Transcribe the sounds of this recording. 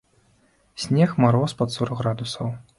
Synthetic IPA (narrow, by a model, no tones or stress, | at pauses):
sʲnʲɛxmaɾɔspɐt̪suɾɣɾad̪usɐw